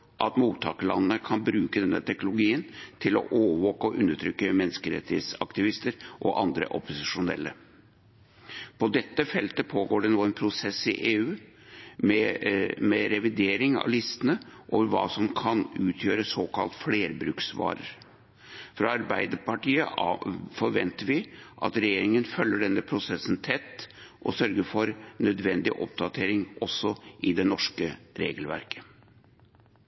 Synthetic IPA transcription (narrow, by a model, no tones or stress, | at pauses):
ʔɑt̪muːt̪ʰːɑ̰ːkəlɑ̰nnəkʰɑnbɾʉːkəd̪ɛnːə̰t̪ʰɛknʊlʊɡiːənt̪ʰɪlɔ̰ʔoːʋoːkəɔʔʉnːəʈʰɾʏkːəmɛnːskəɾɛ̰t̪ːɪḛd̪sɑ̰kt̪ɪʋɪst̪əɾʔɔʔɑnd̪ɾə̰ʔɔpʊsɪʂʊnɛ̰lːə | pʰɔd̪ɛt̪ːəfɛlt̪əpʰoːɡoːɖɛnuːənpʰɾʊsɛsːɪʔeːʉː | mɛmɛɾɛʋɪd̪eːɾɪŋɑ̰ʋlɪst̪ənəʔo̰ːʋəɾʋɑ̰ːsɔmkʰɑnʉːt̪ʰjøːɾəsoːkʰɑ̰lt̪fleːɾbɾʉːksʋɑ̰ːɾə̰ɾ | fɾɑɑɾbæɪd̪əɾpɑʈiːə̰fɔɾʋɛnt̪əɾʋɪʔɑ̰t̪ɾɛjeːɾɪŋənfœlːəɖɛnːəpʰɾʊsɛsːənt̪ʰɛt̪ːʔɔsœɾɡəɾfɔɾnœd̪ʋɛnd̪ɪʔɔ̰p̚d̪ɑt̪ʰeːɾɪŋʔɔsːɔʔɪd̪ɛnɔʂkəɾḛːɡəlʋæ̰ɾkʰə̥